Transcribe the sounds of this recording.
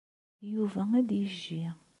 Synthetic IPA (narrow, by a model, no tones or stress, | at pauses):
juvææd̪jəʒːi